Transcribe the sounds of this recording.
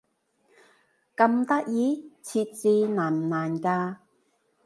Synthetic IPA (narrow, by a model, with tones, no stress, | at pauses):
kɐ˧mt̪ɐ˥k̚jiː˨˦t͡sʰiː˧t̚t͡siː˧naː˨˩mnaː˨˩nkaː˧